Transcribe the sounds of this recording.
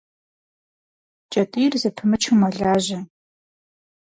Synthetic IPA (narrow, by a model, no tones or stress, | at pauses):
t͡ʃʼɐtʼiːrzɨpʰɨmɨt͡ʃʰumɐɮaːʑɐ